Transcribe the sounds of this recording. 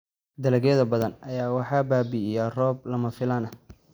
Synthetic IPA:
d̪ɐlɐɡjɛðɐbɐðɐnɐjaːwɑħɑːbaːbɪɪjarɔːb̚lɐmɐfɪlaːnɐ

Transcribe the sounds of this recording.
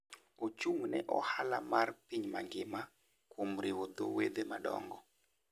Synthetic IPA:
ot͡ʃuŋnɛ̰ʔɔhalamarpiɲmaŋɡɪma | kwomɾɪwod̪o̰wed̪emaɗɔ̰ŋɡɔ

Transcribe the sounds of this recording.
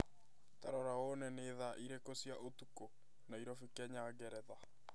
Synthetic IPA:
ta̰ɾɔɾawonɛneːðaʔiɾekosiaʔotuko | naiɾɔfikɛɲaːɡɛɾɛða

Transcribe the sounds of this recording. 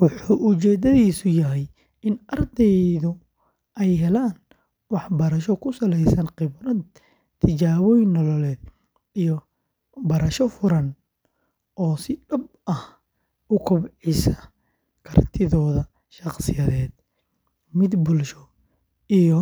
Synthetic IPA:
wɑħuːʔʊt͡ʃɛːd̪ɐðiːsʊjɐɦɛj | ɪnʔɐrd̪ɛjðʊ | ʔɛjɦɛlaːn | wɑħbɐɾɐʃɔkʰʊsɐlɛjsɐnqɪβɾɐd̪ | t̪ʰɪt͡ʃaːβɔjɪnːɔlɔlɛːd̪ | ijɔ | bɐɾɐʃɔfʊɾɐn | ʔɔːsɪɖɐb | ɐh | ʊkʰʊbʕɪsɐ̥ | kʰɐrt̪ʰɪðɔːðɐ | ʃɑqsɪjɐðɛːd̪̥ | mɪd̪bʊlʃɔ | ijɔ

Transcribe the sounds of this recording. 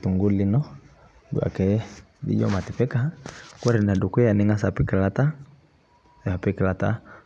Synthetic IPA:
t̪uŋɡulinɔ | dṵa̰kɛ | dḭd͡ʒɔ̰mat̪ipɛkakuaɾinadukɛjaniŋasapikəlat̪a | apikəlat̪a̰

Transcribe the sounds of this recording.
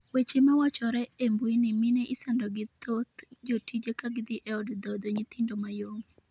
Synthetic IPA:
wet͡ʃemawat͡ʃɔɾɛembwinɪmɪnɛʔɪsɛndɔɡɪt̪ot̪d͡ʒotid͡ʒekaɡɪd̪ɪʔɛɔdd̪ɔd̪oɲɪt̪ɪndomajoŋ

